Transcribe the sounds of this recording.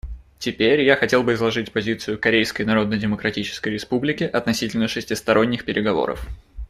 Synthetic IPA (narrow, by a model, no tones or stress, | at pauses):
tʲɪpʲeɾʲjaxɐtʲe̞lˠbɨɪzlˠɐʐɨtʲpɐzʲit̪sɨjʊkɐɾʲejskəjnɐɾo̞d̪nədʲɪməkɾɐtʲit͡ɕɪ̥skəjɾʲɪspublʲɪkʲɪʔɐt̪nɐsʲitʲɪlʲnəʂɨsʲtʲɪst̪ɐɾʔo̞nʲːɪxpʲɪɾʲʔɪɡɐvo̰ɾə̰f